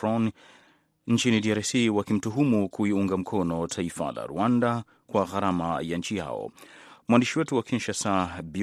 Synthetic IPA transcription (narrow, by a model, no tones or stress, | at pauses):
ɔn | n̩t͡ʃinidiaɾsiwakim̩tuɦumukuiuŋɡam̩kʰɔnɔtʰaifa̰la̰ɾṵanda | kwaɣaɾama̰jaɲt͡ʃija̰ɔ̰mwandiʃiwɛtuwakʰinʃasabi